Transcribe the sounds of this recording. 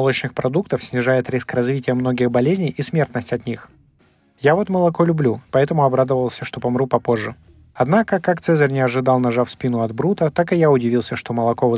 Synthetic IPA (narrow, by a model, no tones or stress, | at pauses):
ɐlˠot͡ɕnɨxpɾɐd̪ukt̪əfsʲnʲɪʐajɪt̪ɾʲiskrɐzvʲitʲɪjəmno̞ɡʲɪxbɐlʲezʲnʲɪjʔismʲe̞rt̪nəsʲtʲɐt̪nʲix | javo̞t̪məlˠɐko̞lʲʊblʲupɐɛt̪əmʊɐbɾad̪əvəlˠsʲəʂt̪o̞pɐmɾupɐpo̞ʐːɨ | ɐd̪nakəkːakt̪sɛzərʲnʲɪɐʐɨd̪alˠnɐʐafspʲinʊɐd̪bɾut̪ət̪akɨjaʊdʲɪvʲilˠsʲəʂt̪o̞məlˠɐko̞vɨ